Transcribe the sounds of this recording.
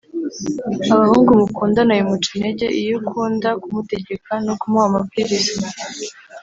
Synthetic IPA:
aβahuːŋɡumukuːndanajimut͡ʃineɟe̞ʔijukʰuːndakumute̞ɟe̞kʰanokumuamabɡiɾizi

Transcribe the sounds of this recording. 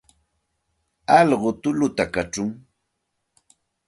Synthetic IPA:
ɑʎɢʊt̪ʊlʊt̪akat͡ʃʊŋ

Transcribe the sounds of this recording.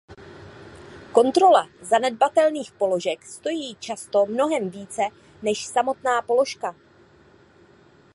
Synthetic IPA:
ko̞nt̪ɾo̞lazanɛdbat̪ɛlniːxpo̞lo̞ʒɛkst̪o̞jiːt͡ʃast̪o̞mno̞ɦɛmviːt͡sɛ | nɛʃsamo̞t̪naːpo̞lo̞ʃka

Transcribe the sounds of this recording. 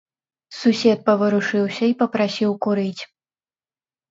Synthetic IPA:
susʲɛt̪̚pɐvɨɾuʂɨwsʲɐipɐpɾasʲiwkuɾɨt͡sʲ

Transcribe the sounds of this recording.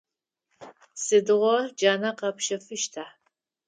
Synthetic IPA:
sɨdɨʁʷɔrd͡ʒaːnɐqɐpʃɐfɨʃtʰaħ

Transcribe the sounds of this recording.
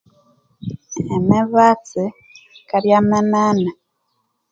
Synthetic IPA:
emeβat͡si | kaɾjamanana

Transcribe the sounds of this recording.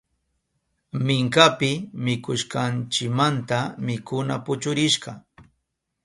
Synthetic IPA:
mɪŋkapɪmɪkʊʃkɑnt͡ʃɪkmant̪amɪkʊna̰pʊt͡ʃʊɾɪʃɢɑ

